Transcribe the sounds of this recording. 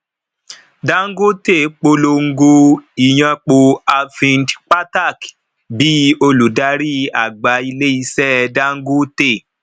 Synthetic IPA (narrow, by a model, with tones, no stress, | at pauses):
da˦ŋ̩˦ɡo˦te˦˨k͡po˧lo˧ŋ̩˦ɡo˧i˨j̃ã˧k͡po˧a˧fĩ˧ndk͡pa˦ta˦˨k | bi˨˦o˧lu˨da˧˦ɾi˦a˨ɡ͡ba˨˦i˧le˦i˧sɛ˦da˦ŋ̩˦ɡo˦te˦˨